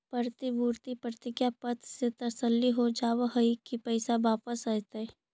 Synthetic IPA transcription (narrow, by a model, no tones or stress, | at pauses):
pəɾt̪ibuːɾt̪ipɾət̪ɪɡjapət̪set̪ɐsəlːiɦod͡ʒaːʋɦəikipɛɪsaʋaːpəsat̪ɛ